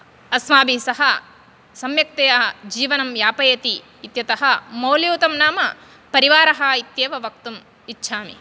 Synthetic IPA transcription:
ɐsmaːbisɐɦɐ | sɐmjɐk̚t̪ejɐɦɐd͡ʒiːʋɐnɐmjaːpɐjɐt̪iː | t̪jɐt̪ɐɦɐmɐwljuːt̪ɐmnaːmɐ | pɐɾiʋaːɾɐɦɐ̆it̪jeːʋɐʋɐk̚t̪um | itːʃʰaːmḭ

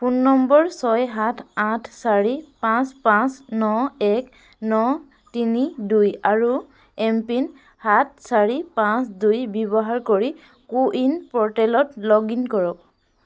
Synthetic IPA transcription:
punːɔmbɔɹsɔjɦatʰatʰsaɹipãspãsnɔɛk | nɔ | tinidujaɹu | ɛmpin | hat̚ʰsaɹipãsdujbjɔbɔɦaɹkoɹi | kuʔinpɔɹtɛlɔtlɔɡinkɔɹɔk̚

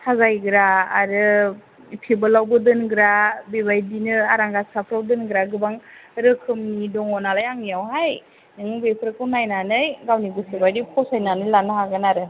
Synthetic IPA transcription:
tʰazajɡɯɾa̰ːɾɯ | pʰibɯlawbɯdɯnɡɾabibajdinɯaɾaŋɡasapʰɾawdɯnɡɾaɡɯbaŋɾɯkʰɯmnidɔŋɔnalajaŋnijawɦaj | nɯŋɯbepʰɯɾɯkɯwnajnanɯjɡawniɡɯsebajdipʰɔsajnanɯjlanɯɦaɡɯnaɾɯ

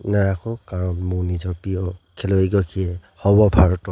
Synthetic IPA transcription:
naɹakʰɔkaɹɔnmunizɔpijɔkʰɛlɔiɡɔkʰiɛhɔbɔbʱaɹɔtɔ

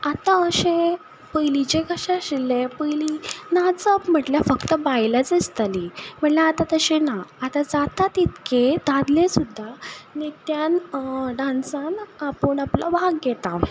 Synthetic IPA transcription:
at̪ãəɕẽ | pəjlit͡ɕekəɕaɕilepəjlinat͡səpm̤əʈljafəkt̪əbajlat͡sist̪alim̤əɳlaat̪at̪əɕenaːt̪ad͡zat̪at̪it̪ked̪ad̪lesud̪ʱːanet̪janɖãnsanapənapla̰ʋaɡɡɛt̪a

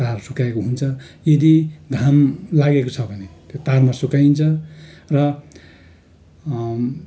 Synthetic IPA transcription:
t̪arsukaekoɦunt͡sʰʌjʌd̪iɡ̪ʱamlaɡekot͡sʰʌbʱʌnet̪jot̪armasukaint͡sʰʌrʌ

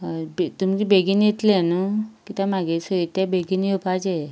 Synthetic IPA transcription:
bt̪umd͡ʑibeɡiniet̪lenukit̪amaɡesəit̪abeɡiniupad͡ʑe

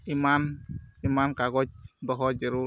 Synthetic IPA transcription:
imanimankaɡɔt͡ʃd̪ɔɦɔd͡ʒeɾu

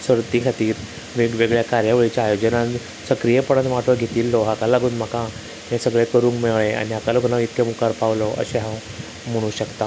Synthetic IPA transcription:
səɾt̪ikʰat̪iːɾ | ʋiɡʋeɡɭjakaɾjaʋəɭit͡ɕjaːjod͡ʑəna | səkɾijepəɽ̃at̪ʋaʈʰʋəɡʱet̪iːlːɔɦakalaɡuːnm̤akã | mẽsəɡɭekəɾũŋkmeɭea̰niakaloɡʱnaʋit̪kemukaɾpaʋlɔʔə̰ɕeɦãw | m̤əɽ̃ũːɕəkt̪a

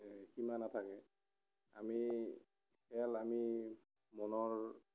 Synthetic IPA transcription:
kimanatʰakɛ | a̰mi | kɛlami | mɔnɔɹ

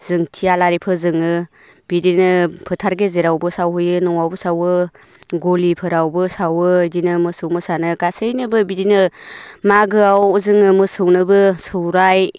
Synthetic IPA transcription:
z̥ɯŋtʰialaɾipʰɯzɯŋɯ | bidinɯpʰɯtʰaɾɡezeɾawbɯsawɦɯjɯnɔŋawbɯsawɯ | ɡolipʰɯɾawbɯsawɯdinɯmɯsɯwmɯsanɯɡasɯjnɯbɯbidinɯmaɡɯawzɯŋɯmɯsɯwnɯbɯsɯwɾaj

